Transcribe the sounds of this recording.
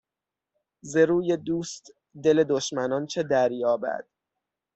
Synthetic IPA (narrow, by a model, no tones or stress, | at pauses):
ze̞ɾuːjed̪uːst̪ | d̪e̞le̞d̪oʃmænɒnt͡ʃʰe̞d̪æɾjɒːbæ̰d̪̥